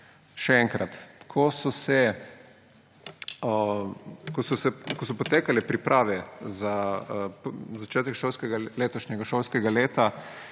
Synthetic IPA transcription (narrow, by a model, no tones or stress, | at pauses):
ʃɛɛŋkɾat̪kʰɔsɔsɛ | kɔsɔsɛkɔsɔpɔt̪eːkalɛpɾipɾʔaːʋɛza | zat͡ʃɛːt̪ɛkʃoːlskɛɡaleːt̪ɔʃnɛɡaʃoːlskɛɡaleːt̪a